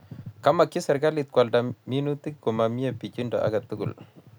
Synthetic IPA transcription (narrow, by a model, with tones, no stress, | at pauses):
ka˦ma˨kːi˦sa˨ɾɡa˦li˨t̪̚kwa˨lda˨mi˦nu˦t̪ɪ˦k̚kɔ˨ma˨mi˦a˨pi˨t͡ʃi˦ndɔ̰˨ʔa̰˦ɡa˨t̪u˦ɡṵ˨l